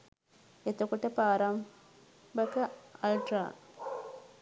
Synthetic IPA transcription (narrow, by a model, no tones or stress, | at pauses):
et̪ːokːuʈːɐpaːɾɐm | bɐkːɐlʈɾa̰ː